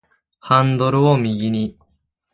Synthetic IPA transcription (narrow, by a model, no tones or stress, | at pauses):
hãnd̪o̞ɾɯ̟omʲiɡʲiɲ̟i